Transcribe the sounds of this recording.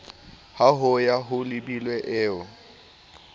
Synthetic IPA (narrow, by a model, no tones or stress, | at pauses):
haɦʊjaɦʊlɪbilwɛʔɪːʊ